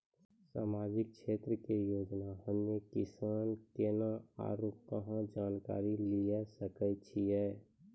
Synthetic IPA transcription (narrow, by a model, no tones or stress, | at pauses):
sa̰ːmaːd͡ʒɪk̚kʃeːt̪ɾəkejoːd͡ʒnaɦəmnekɪsaːnkenaa̰ːɾoːkkəɦãd͡ʒaːnka̰ːɾiliasəkət͡ʃʰiɦɛː